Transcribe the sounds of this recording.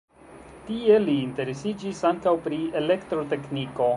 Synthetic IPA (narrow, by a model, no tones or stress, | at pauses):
tieliːnte̞ɾesid͡ʒisaŋkawpɾie̞le̞ktɾote̞kniko̞